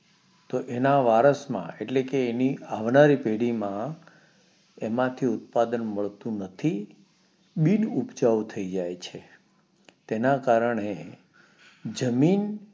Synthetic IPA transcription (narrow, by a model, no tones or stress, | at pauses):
t̪oʔenaʋaɾəsmã̰eʈlekeːniaʋnaɾipeɽimã | emãt̪ʰiʊt̪̚pad̪ənməɭt̪ũnət̪ʰi | ɓinupd͡ʒaʋt̪ʰəid͡ʒajt͡ʃʰe | t̪enakaɾəɳe | d͡ʒəmin